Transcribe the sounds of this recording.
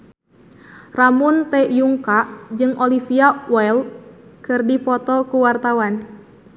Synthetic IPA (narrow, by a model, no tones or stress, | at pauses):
ramunt̪ɛjuŋkaʔd͡ʒɨŋʔɔlifiawɛlkɨrdipɔt̪ɔkuwart̪awan